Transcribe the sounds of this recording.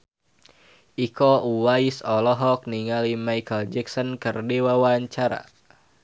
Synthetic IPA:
ʔikɔuwaisɔlɔɦɔk̚niŋalimajkəld͡ʒɛksɔnkərdiwawaɲt͡ʃaɾa̰

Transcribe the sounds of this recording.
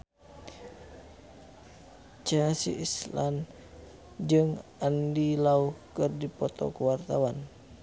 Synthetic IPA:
t͡ʃənasḭʔislan | d͡ʒɨŋandilauhkɨrdipɔt̪ɔ̰kuwart̪awan

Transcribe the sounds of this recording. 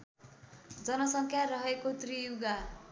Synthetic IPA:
d͡zʌnʌsʌŋkʰjaɾʌɦekot̪rijuɡa

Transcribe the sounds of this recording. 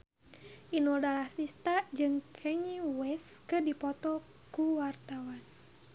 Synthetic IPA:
ʔinɔdalahsist̪ad͡ʒɨŋkʰɛɲiwɛskɨdipɔt̪ɔ | kuwart̪awan

